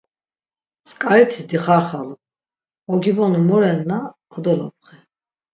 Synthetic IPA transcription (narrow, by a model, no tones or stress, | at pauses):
skʼaɾit̪ʰid̪iχaɾχalu | ɔɡibɔnumɔɾɛnːakʰɔd̪ɔlɔ̰p̚χɛ